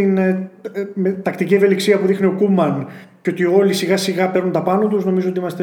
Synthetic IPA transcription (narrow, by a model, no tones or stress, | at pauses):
in | met̪ɐkt̪icie̞ve̞liksiɐpuðixnio̞kumɐnceo̞t̪io̞lisiɣɐsiɣɐpe̞ɾnunt̪ɐpɐnot̪uzno̞mizoo̞t̪iimɐst̪e